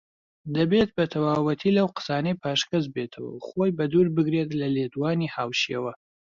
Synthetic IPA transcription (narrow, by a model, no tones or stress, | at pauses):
d̪ɐbet̪̚bɐt̪ʰɐwaːwɐt̪ʰiːlɐwqə̥saːnɐjpʰaːʃkɐzbet̪ʰəwɐ̰wχojbɐd̪uːɾbɨɡɾet̪lɐled̪uwaːnihaːwʃḛwɐ